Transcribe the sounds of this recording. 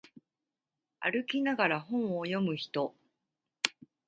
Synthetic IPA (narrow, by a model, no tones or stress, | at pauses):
a̰ɾɯ̟kʲinaɡaɾaɦõ̞ɰ̃ojo̞mɯ̟çi̥t̪o̞